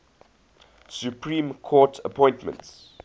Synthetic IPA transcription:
sjupʰɹĩːmkʰɔːtʰə̰pʰɔ̃ɪ̃ntmə̰̃nts

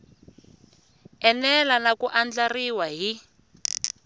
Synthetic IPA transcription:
ɛnɛlanakuʔand͡ɮariwaɦi

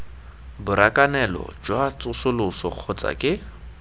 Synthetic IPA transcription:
bʊɾakʼanɛlɔ̰d͡ʒwat͡sʼʊsʊlʊsɔq͡χʰɔt͡sʼa̰kʼɪ

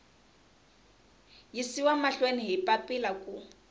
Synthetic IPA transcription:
jisiwamaɬwenɪɦɪpʼapʼɪlakʼʊ

